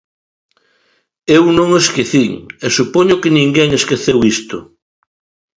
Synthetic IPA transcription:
ewnõŋeskeθiŋesupoɲʊkɪnĩŋɡɛŋeskeθewist̪ʊ̰

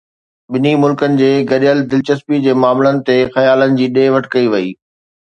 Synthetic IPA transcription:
ɓɪnimʊlkənɪ̆d͡ʑeːɡɐɾijəld̪ɪlt͡ɕɐspid͡ʑeːmaːmlənɪ̆t̪exɐjaːlənɪ̆d͡ʑiːɗeːʋɐʈʰkɐiʋɐḭː

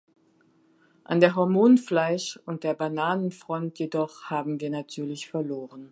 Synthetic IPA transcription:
ʔandeːɐɦɔɐmoːnflaɪʃʊnt̚d̥eːɐbanaːnənfʁ̥ɔntjedɔχhaːbm̩viːɐnatʰyːɐlɪçfɛɐloːʁən

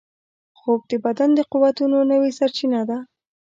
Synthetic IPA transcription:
xob̚d̪əbad̪and̪əquwat̪unonəwesaɾt͡ʃinad̪a

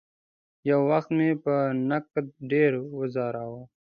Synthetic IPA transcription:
jawːaxt̪mepənak̚t̪̚ɖeɾwʊzɑːɾawo

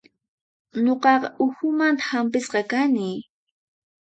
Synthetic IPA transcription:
ɲoqɑqɑʔʊxʊmant̪ḁhampɪsqɑkanɪ

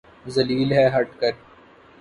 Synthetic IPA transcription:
zɐliːlɦɛɦɐʈkəɾ

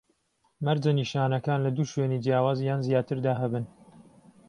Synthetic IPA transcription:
mɐɾd͡ʒɐniʃaːnɐkaːnlɐd̪uːʃweːniːd͡ʒijaːwaːzjaːnzjaːt̪ʰɨɾd̪aːɦɐbɨn

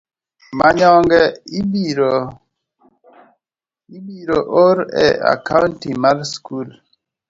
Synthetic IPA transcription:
maɲɔŋɡɛibiɾo | ibiɾoʔoɾɛ̰a̰kauntimalskul

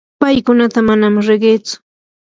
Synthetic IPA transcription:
pajkʊnat̪amanamɾɪɢeːt͡sʊ̥

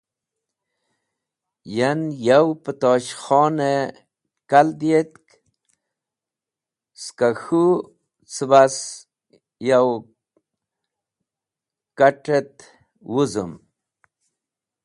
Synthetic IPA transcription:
janjawpət̪oːɕχɔːne | kald̪jet̪k | skaxu | t͡səbas | jaw | kaʈet̪ | wuzṵm

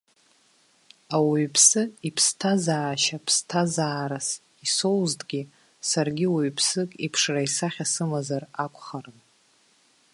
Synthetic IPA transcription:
awuɥpʰsɨipʰstʰazaːʃapʰstʰazaːɾas | isowzdʼɡʲi | sarɡʲiwuɥpʰsɨkʼipʰʂraisaχʲasɨmazarakʷʰʼχarɨn

